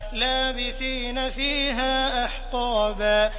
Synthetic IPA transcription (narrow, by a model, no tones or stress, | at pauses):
laːbɪθiːnafiːɦaːʔɑħt̪ˤɑːbaː